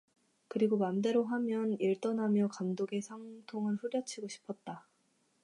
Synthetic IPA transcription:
kɯɾiɡomamde̞ɾoɦamjʌniɭt͈ʌnɦamjʌkamdoɡe̞sʰaŋtʰoŋɯnɸuɾjʌt͡ɕʰiɡoɕʰi̥pʰʌt̚t͈a

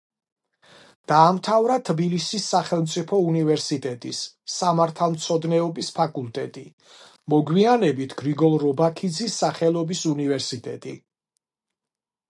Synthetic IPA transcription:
d̪̥aːmt̪ʰavɾat̪ʰbilisisːaχɛlˠmt̪sʼipʰɔunivɛɾsit̪ʼɛt̪ʼisː | amaɾt̪ʰalˠmt̪sʰɔd̪nɛɔbispʰakʼulˠt̪ʼɛt̪ʼi | mɔɡwianɛbit̪ʰɡ̥ɾiɡɔlˠɾɔbakʰid̪zisːaχɛlˠɔbisunivɛɾsit̪ʼɛ̰t̪ʼḭ

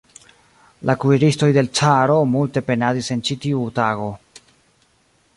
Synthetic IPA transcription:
lʔakuiɾisto̞jde̞lt͡saɾo̞multe̞pe̞nadise̞nt͡ʃitiutaɡo̞

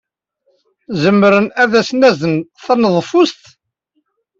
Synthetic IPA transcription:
zəmːɾənæðæsnæzənθænəðˤfʊst̪

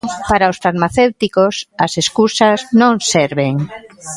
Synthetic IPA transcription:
paɾaosfaɾmaθewt̪ikosɐseskusaznõŋseɾβeŋ

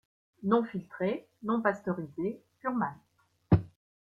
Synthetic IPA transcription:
nɔ̃filt̪χe | nɔ̃past̪ɔʁizesyʁman

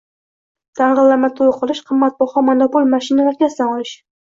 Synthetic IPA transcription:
t̪ʰaɴʁɨlːaɾmat̪ʰojqʰɨlˠɪʃqʰɨmːat̪̚bɒχɒmanopolˠmaʃɪnalaɾɡʲasanɒlˠɪʃ

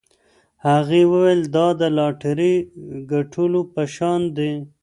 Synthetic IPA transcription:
haɣewəweld̪ɑd̪əlɑʈaɾiɡaʈʰulopəʃɑnd̪e

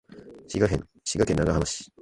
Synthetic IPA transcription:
ɕiɡakḛ̃n | ɕiɡakenːaɡaɦanaɕi̥

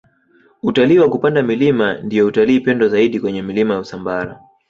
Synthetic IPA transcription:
utaliːwakupandamilimandijɔutaliːpɛndɔzaiɗikwɛɲɛmilimajausambaɾa

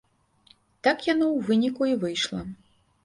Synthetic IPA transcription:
t̪akjanɔwvɨnʲikuivɨjʂlˠɐ̰

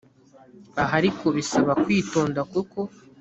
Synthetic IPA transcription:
aɦaɾikʰo̞βisaβakwiːto̞ːndakuko̞

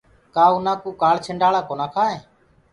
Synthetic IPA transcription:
kaːʊnãːkuːkaːɭt͡ʃʰəɳɖaːɭaːkoːnaːkʰaːɦeː

